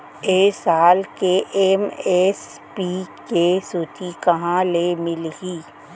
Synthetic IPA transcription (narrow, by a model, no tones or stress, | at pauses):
eːsaːlkeʔeːmeːs | piːkesuːt̪ʰikɐɦãlemɪlɡiː